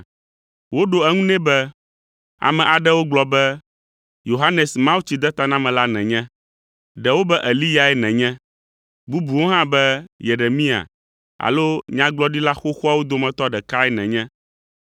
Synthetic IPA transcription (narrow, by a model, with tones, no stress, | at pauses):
wo˦ɖo˨ɛ˦ŋũ˦nɛ̃˦bɛ˦ | a̰˨mɛ̃˨ʔa˨ɖɛ˦wo˦ɡ͡blɔ˨bɛ˦ | jo˨ɦa˦nɛ˨smã˦wu˦t͡ɕi˨d̪ɛ˦t̪a˦nã˦mɛ̃˨la˦nɛ̃˨ɲɛ̃˦ | ɖɛ˨wo˦bɛ˦ʔɛ˨li˦ja˨ɛ˦nɛ̃˨ɲɛ̃˦ | bu˦bu˨wo˦ɦã˦bɛ˦je˨ɾe˨mĩ˦a̰˨ | a̰˨lo˦ɲã˦ɡ͡blɔ˦ɖi˦la˦xo˦xɔ˦a˦wo˦d̪o˦mɛ̃˨t̪ɔ˦ɖɛ˨ka˦ɛ˦nɛ̃˨ɲɛ̃˦